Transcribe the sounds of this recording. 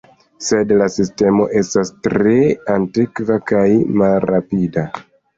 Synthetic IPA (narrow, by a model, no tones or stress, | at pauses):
se̞dlasiste̞mo̞ʔe̞stastɾe̞antikvakajmalɾːapida